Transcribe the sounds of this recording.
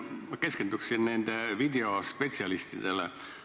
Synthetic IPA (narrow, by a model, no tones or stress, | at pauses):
ke̞skend̪ukssinne̞nd̪̥evid̪e̞o̞spe̞t̪ʲsiɑlist̪id̪̥e̞lḛ